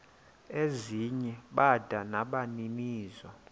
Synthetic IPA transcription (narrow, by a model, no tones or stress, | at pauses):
eziɲɛɓad̥ʱanaɓaniniːzɔ